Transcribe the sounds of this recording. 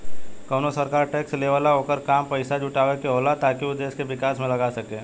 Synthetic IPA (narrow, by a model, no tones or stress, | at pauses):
kɐːnosɐɾkaːɾʈeːksleʋəlaɦoːkəɾkaːmpɐɪsad͡ʒʊʈaːʋekeɦoːlat̪aːkiod̪eːskeʋɪkaːsmẽlɐɡasɐkeː